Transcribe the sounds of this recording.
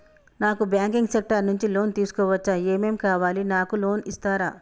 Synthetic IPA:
naːkubjaːŋkiŋɡsek̚ʈɐɾnuɲt͡ʃilo̞ːnt̪iːsu̥kɔːʋɐt͡ʃːɐeːmeːmkaːʋaːlinaːkulo̞ːnist̪aːɾaː

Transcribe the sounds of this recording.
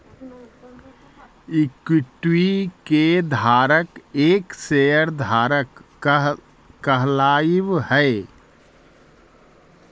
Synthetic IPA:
ɪkwɪʈwiked̪ʱaːɾəkeːksejəɾd̪ʱaːɾək | kəɦlaːiʋhɛː

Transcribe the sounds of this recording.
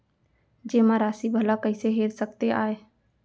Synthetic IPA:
d͡ʒemãɾaːsibʱəlakəɪseɦeɾsəkt̪eaːe

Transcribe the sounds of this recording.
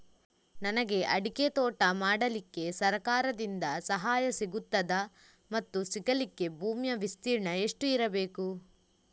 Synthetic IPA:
nɐnɐɡe̞ʔɐɽiket̪ɔːʈɐmaːɽɐlikːe̞sɐɾɐkaːɾɐd̪ind̪ɐsɐɦaːjɐsiɡut̪ːɐd̪ɐ | mɐt̪ːusiɡɐlikːe̞bʱuːmjɐʋist̪iːɾɳɐe̞ʂʈuiɾɐbe̞ːku

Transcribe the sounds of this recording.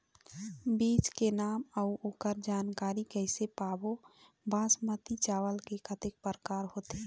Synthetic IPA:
biːt͡ʃkenaːməuoːkəɾd͡ʒaːnkaːɾikəɪsepaːbo | bãːsmət̪it͡ʃaːwəlkekʰət̪ɪk̚pəɾəkaːɾɦoːt̪e

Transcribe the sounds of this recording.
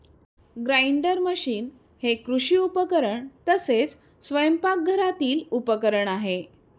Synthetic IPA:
ɡɾaiɳɖəɾməɕiːn | hekɾuɕiːupəkəɾəɳt̪əset͡s | sʋəjəmpak̚ɡʱəɾat̪iːlupəkəɾəɳaɦe

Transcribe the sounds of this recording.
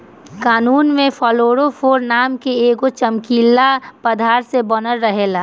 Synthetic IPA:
kaːnuːnmẽfʰɔːloːɾofʰoːɾnaːmkeeːɡot͡ʃəmkiːlːapəd̪ʱaːɾsebɔnəɾːəɦeːlaː

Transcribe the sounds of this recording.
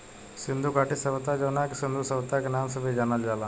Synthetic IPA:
sɪnd̪ʱukaːʈisəʋt̪ad͡ʒoːnakisɪnd̪usɐʋt̪akenaːmsəbʱid͡ʒanald͡ʒaːlaː

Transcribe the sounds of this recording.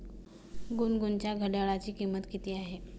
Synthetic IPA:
ɡunɡunt͡ɕjaɡʱəɖaɭat͡ɕiːkimːət̪kit̪iːaɦe

